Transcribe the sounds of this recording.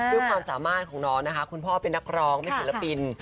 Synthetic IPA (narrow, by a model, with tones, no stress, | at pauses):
ɾɯ˥˩əkʰwaː˧msaː˩˦maː˥˩t̪̚kʰɔː˩˦ŋnɔː˦˥na˦˥kʰa˦˥kʰu˧npʰɔː˥˩pe˧nːa˦˥k̚ɾɔː˦˥ŋma˥˩jsi˨˩˦la˦˥pi˧n